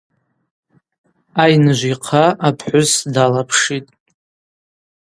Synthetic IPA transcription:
ajnɨʒʷiqʰaapʰħʷʊzdalapʰʂitʼ

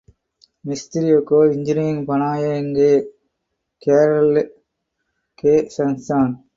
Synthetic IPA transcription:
mɪst̪ɪɾiokːoːɪɲd͡ʒɪniːŋpɐnaːjɐnɡe | keːɾɐl | keːsɐnsaːn

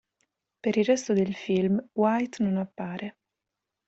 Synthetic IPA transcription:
peɾirrːɛst̪od̪elfilmwajt̪nonapːaːɾʔe

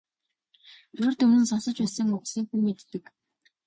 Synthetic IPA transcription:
ɵrt̪ɵnɘ̆nsɔnsə̆t͡ɕpæsə̆ŋʊχsiːŋxuːmet̪ːɘ̆k

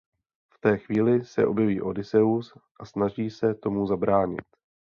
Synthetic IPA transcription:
ft̪ɛːxviːlɪsɛ̰ʔo̞bjɛviːʔo̞dɪsɛusʔasnaʒiːsɛt̪o̞muzabɾaːɲɪ̰t̪

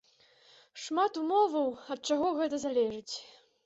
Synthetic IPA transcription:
ʂmat̪umɔvɐwɐt̪̚t͡ʂaɣɔɣɛt̪ɐzalʲɛʐɨt͡sʲ

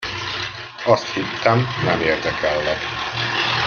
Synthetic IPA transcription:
ɒst̪hit̪ːɛmnɛmeːrd̪ɛkʰɛlːɛk̪

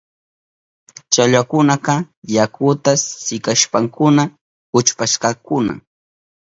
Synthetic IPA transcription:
t͡ʃaʎwakʊnaqɑ | jakʊt̪asɪkaʃpaŋkʊna | kʊt͡ʃpaʃqɑkʊna̰

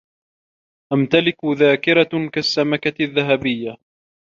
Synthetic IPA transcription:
ʔamt̪alɪkðaːkɪɾakasːamakaðːaɦabɪjːa

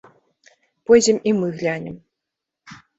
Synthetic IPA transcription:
pɔjd͡zʲɛmimɨɣlʲanʲɛm

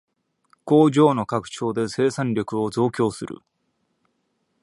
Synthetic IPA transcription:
ko̞ːʑo̞ːno̞kakɯ̟̥t͡ɕo̞ːd̪e̞se̞ːsãɲɾʲo̞kɯ̟o̞zo̞ːkʲo̞ːsɨɾʔɯ̰

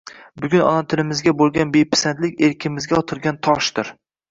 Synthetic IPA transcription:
bʊɡʲʊnɒ̰nat̪ʰɪlɪmɪzɡʲabolˠɡʲanbejpʰɪ̥sant̪lɪkʲe̞ɾkʲʰɪmɪzɡʲaɒt̪ʰɪɾɡʲant̪ʰɒʃd̪ɪɾ

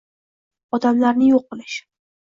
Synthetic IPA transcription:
ɒd̪amlaɾnɪjoqːɨlˠɪʃ

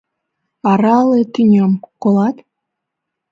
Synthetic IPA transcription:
ɑɾɑlet̪inʲomkolɑt̪

